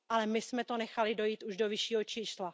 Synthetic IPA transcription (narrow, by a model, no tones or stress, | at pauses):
ʔalɛmɪsmɛt̪o̞nɛxalɪdo̞jiːt̪uʒdo̞vɪʃiːɦot͡ʃiːsla